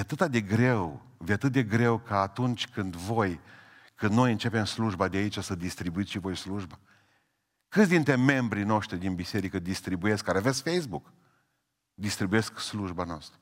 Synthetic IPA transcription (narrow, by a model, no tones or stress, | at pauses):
vat̪ɨt̪ad̪e̞ɡɾe̞w | vʲat̪ɨt̪̚d̪e̞ɡɾe̞wkaːt̪unt͡ʃʲkɨnd̪vo̞j | kɨnd̪no̞jɨnt͡ʃe̞pe̞msluʒbad̪eait͡ʃʲasəd̪ist̪ɾibuit̪ʲʃivo̞jsluʒba | kɨt̪sʲd̪int̪ɾe̞me̞mbɾino̞ʃt̪ɾid̪inbise̞ɾikəd̪ist̪ɾibuje̞skaɾeavesʲfejzbuk | d̪ist̪ɾibuje̞sksluʒbanoast̪ɾə